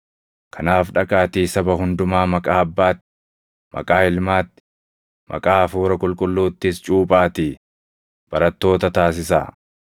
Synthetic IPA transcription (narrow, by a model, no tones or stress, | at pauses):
kʰɐnaːfᶑɐkʼaːt̪iːsɐbɐhʊnd̪ʊmaːmɐkʼaːɐbːaːt̪ːɪ | mʔɐ̰kʼaːɪlmaːt̪ːɪ̥ | mʔɐ̰kʼaːfuːɾɐkʼʊlkʼʊlːuːt̪ːɪst͡ʃʼuːpʼaːt̪iː | b̥ɐɾɐt̪ːo̞ːt̪ɐt̪aːs̬ɪsa̰ː